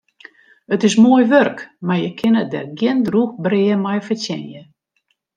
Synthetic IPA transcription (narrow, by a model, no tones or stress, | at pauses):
ətɪsmoəjʋørkmarjəkʰɪnət̚dɛ̰rɡjɪndruxbrɪəmajfətɛ̰njə